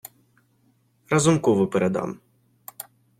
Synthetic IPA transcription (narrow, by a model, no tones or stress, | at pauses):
rɐzʊmkɔʋɔpɛɾɛd̪ɑ̰m